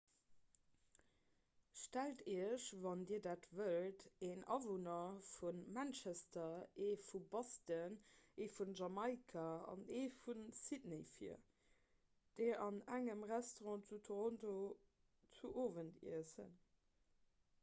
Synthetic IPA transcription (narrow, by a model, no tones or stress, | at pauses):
ʃtæltʰiəʃvɑndiːɐdaːtvəlteːnɑ̰vonɐfunmænt͡ʃæstɐeːfubɑstəneːfunʒɑmɑɪkʰaɑ̰neːfunsidneɪfḭɐ | d̥eɑnæŋəmʁæstoʁɔ̃ːt͡sutʰoʁonto | t͡suʔoːvəntḭəsə̰n